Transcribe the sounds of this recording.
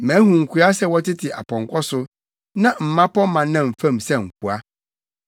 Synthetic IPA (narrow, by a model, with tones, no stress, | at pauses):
mæ̃˨˦hũ˨ŋ̩˨kʰʷu˨˦a˦sɛ˦wɔ˦tɪ˦tʰɪ˨ʔa̰˨pʰɔ̃˨ŋkʰɔ˦sʊ˦ | nã˦m̩˨mã˦pɔ˦mã˨nã˨m̩˨fã˦˨msɛ˦ŋ̩˨k̚ʰu˨a˦